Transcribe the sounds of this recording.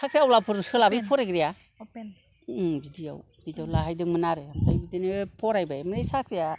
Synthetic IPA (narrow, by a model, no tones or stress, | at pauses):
sʰakʰɾijawlapʰɯɾuskʰɯlabɯpʰɔɾeɡɾija | bidija̰w | bidijawlaɦajdɯŋmɯnaɾemajbidinepʰɔɾajbajmɯɾejsakʰɾija